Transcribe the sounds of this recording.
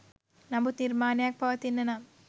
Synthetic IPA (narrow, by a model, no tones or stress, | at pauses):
nɐmbut̪iɾmaːnjaːk̚pɐʋɐt̪ːinːɐnam